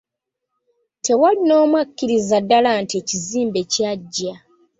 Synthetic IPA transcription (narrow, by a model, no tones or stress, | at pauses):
tʰe̞walino̞ːmwakːiɾizadːalantie̞ːciziːmbe̞caɟːa